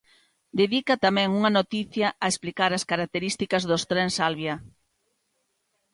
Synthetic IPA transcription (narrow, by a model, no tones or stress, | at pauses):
d̪eðikɐt̪amɛ̃ŋuŋɐnot̪iθjɐʔɐesplikaɾɐskaɾak̚t̪eɾist̪ikɐzðost̪ɾɛnsalβjɐ